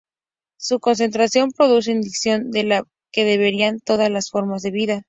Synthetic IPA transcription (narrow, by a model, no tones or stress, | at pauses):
suko̞ns̬e̞nt̪ɾasjo̞mpɾo̞ðus̬e̞ind̪iksjo̞nd̪e̞la | ke̞ðe̞βe̞ɾiant̪o̞ðazlasfo̞ɾmazðe̞βiða